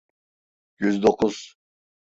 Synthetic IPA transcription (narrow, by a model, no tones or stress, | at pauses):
jyzd̪oqʰʊz̥